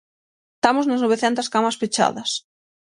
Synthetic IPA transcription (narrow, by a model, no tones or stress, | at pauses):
t̪amʊznɐznoβeθɛnt̪ɐskamɐspet͡ʃa̰ðɐs